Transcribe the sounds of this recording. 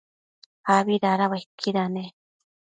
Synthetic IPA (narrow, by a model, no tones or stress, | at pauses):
aβiɾaɾaβakʰːiɾane